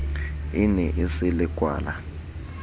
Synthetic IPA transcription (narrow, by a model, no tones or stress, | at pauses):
inɛʔesɪlɪɡ̥ʱʼwa̰ːla